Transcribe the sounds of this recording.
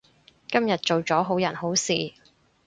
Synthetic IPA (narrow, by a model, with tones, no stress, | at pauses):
kɐ˥mjɐ˨t̚t͡ʃo˨wt͡sɔː˨˥ɦo˨˥wjɐ˨˩nho˨˥wsiː˨